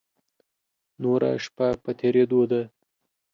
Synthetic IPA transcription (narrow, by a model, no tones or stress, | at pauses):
noɾa̰ʂpapət̪ʰeɾed̪od̪a